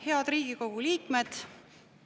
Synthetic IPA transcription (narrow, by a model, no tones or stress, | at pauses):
he̞ɑd̪̥riːɡ̥iko̞ɡ̥uliːkme̞d̪̥